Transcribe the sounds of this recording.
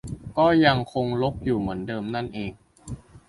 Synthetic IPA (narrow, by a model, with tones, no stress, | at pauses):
kɔː˥˩ja˧ŋkʰo˧ŋlo˦˥k̚juː˨˩mɯ˩˦əndɤː˧mna˥˩nʔeː˧˩ŋ